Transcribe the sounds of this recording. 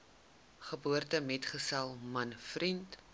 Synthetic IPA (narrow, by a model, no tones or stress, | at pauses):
χəbuərtəmɛtχəsɛlˠmɐnfrint